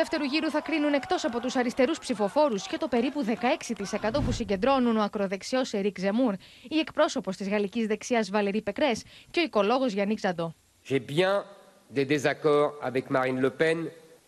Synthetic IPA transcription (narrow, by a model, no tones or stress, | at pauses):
uðeft̪e̞ɾuʝiɾuθɐkɾinune̞kt̪o̞sɐpo̞t̪usɐɾist̪e̞ɾuspsifo̞fo̞ɾusce̞t̪o̞pe̞ɾipuðe̞kɐe̞ksit̪ise̞kɐt̪o̞pusiɲɟe̞nd̪ɾo̞nuno̞ɐkɾo̞ðe̞ksio̞seɾikze̞muɾie̞kpɾo̞so̞po̞st̪izɣɐlicizðe̞ksiɐzvɐle̞ɾipe̞kɾe̞sceoiko̞lo̞ɣo̞zʝɐnikzɐd̪o̞ | ʒ̥ɛbjɛ̃ | d̪ed̪ezakɔʁa̰vɛkmaʁinləpɛn